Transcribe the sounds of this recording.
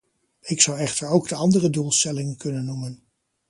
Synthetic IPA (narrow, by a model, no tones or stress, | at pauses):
ɪksɑwɛχtəɹowɡdəɑndərədulˠstɛlɪŋənkɵnənːumən